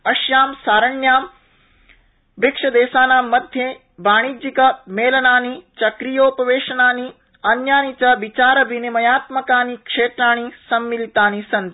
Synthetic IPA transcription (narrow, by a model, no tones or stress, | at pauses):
ɐʃjaːmsaːɾɐɳjaːm | bikʂɐd̪eːʃaːnaːmːɐd̪ʱje | baːɽ̃id͡ʒikɐmeːlɐnaːnit͡ʃɐkɾijoːpɐʋeːʃɐnaːni | ɐnjaːnit͡ʃɐʋit͡ʃaːɾɐbinimɐjaːt̪mɐkaːnikʂeːt̪ɾaːɽ̃isɐmːilit̪aːnisɐnt̪